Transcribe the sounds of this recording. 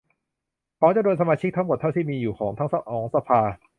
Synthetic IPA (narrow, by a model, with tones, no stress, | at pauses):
kɔː˨˥t͡ɕa˧˩d̪nsa˧maː˧t͡ɕʰi˦˥k̚t̪ʰa˦˥ŋmo˨˩t̪ʰːa˥˩wt̪ʰiː˥˩miː˧juː˨˩kʰɔː˩˦ŋt̪ʰa˦˥ŋsa˧ʔɔː˩˦ŋsa˧pʰaː˧